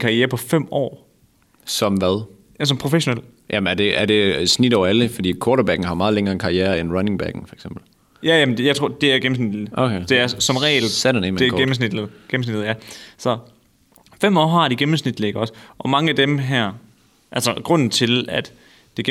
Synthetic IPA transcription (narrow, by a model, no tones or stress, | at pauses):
kʰɑ̈ieːɐpʰɒ̽fem̰ɒ̰ː | sɒ̽mʋæðˠ | jæsɒ̽mpʰʁo̝feɕo̝nel̰ | ʔæmæɐd̥e̝æɐd̥e̝snid̥ɒʊæləfɒ̽d̥ḭːkʰɔːɾɐbæɡ̥n̩hɑ̈mɑ̈ːðˠleŋɐːenkʰɑ̈iæːɐenʁɑne̝ŋb̥æ̰ɡ̥n̩fɒeɡ̥sem̰b̥l̩ | jæjæmndjɑ̈t͡sʰʁo̝̰ɐ̰d̥e̝æɐɡ̥em̩s̬nid̥okʰed̥e̝æɐsɒ̽mʁɛ̰ːlsæ̥neme̝æɐɡem̩s̬nid̥ð̩ˠɡ̥em̩snid̥ð̩ˠjæsɒ̽ | fem̰ɒ̰ːɦɑ̈ɾ̥iɡ̥emm̩snid̥leɡ̥ɐɒ̽sʔɒ̽mɑ̈ŋəæd̥emɦæɐ̰ | ʔælsɐɡ̥ʁɔ̽n̰n̩t͡sʰe̝læd̥ː | e̝ɡ̥